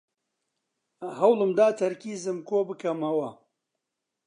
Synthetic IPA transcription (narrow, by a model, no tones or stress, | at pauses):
ɦɐwlɨmd̪aːt̪ʰɐɾkiːzɨmkoːbɨkɐmɐwɐ